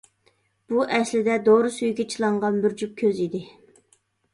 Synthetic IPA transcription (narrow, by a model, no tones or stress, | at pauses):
b̥uʔɛslɪd̪ɛd̪oɾɨsyjɡʲɛt͡ʃʰilˠɑɴʁɑnbɪɾd͡ʒyp̚kʲʰøzid̪ɪ